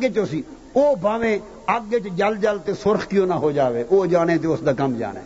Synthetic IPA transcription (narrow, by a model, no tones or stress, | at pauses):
ɡeːt͡ʃoːsiː | oːbʱaːʋẽː | aɡeːt͡ʃd͡ʒəld͡ʒəlt̪eːsʊɾxkɪjõːnaɦoːd͡ʒaːʋeːʔoːd͡ʒaːnẽːt̪̬eʊsd̪aːkəmd͡ʒa̰ːnḛː